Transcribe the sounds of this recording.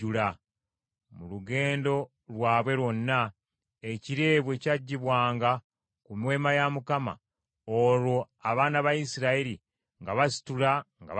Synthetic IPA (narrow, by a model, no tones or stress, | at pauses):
ula | muluɡe̞ːndo̞ | lwaːβwe̞ɾwo̞nːa | e̞ciɾe̞ːβwecaɟːiβwaːŋɡa | kumwe̞ːmajamukama̰ | oɾwo̞ | aβaːnaβajisiɾaeɾi | ŋɡaβasi̥tulaŋɡa̰